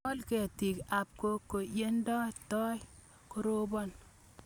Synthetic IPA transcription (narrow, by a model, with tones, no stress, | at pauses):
ɔ˦lkɛ˨ti˨ka˨p̚ko˦kːo˨je˦ndɔ˦tɔ˦j | ko˦ɾo˦bɔ˦n